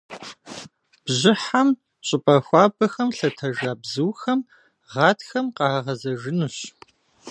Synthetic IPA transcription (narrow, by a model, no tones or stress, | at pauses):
b̥ʑɪħam | ɕʼɪpʼɐxʷɑːbɐxɐmɬɐtʰɐʒaːbzɨwxɐm | ʁɑːtxɐmqɑʁɐzɐʒɪnuɕ